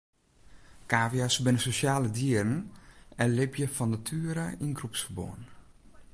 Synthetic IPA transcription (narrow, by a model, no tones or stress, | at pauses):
kaːvjasbɪnəsosjaːlədiərən̩ɛnlɪpjəfɔnatʰyːəɾəinɡrupsfərbo̰ːn